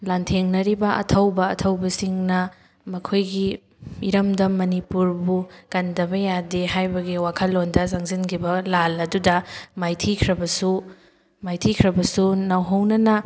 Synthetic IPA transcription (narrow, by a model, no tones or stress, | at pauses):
lantʰeŋnɐɾibɐʔɐ̰tʰɐwbɐɐtʰɐwbɐsiŋnɐ | mɐkʰojɡi | iɾɐmdɐmɐnipuɾbukɐndɐbɐjadeɦajbɐɡiwakʰɐlːondɐsaŋzinkʰibɐlalɐdudɐmajtʰikʰɾɐbɐsu | majtʰikʰɾɐbɐsunɐwɦɐwnɐnɐ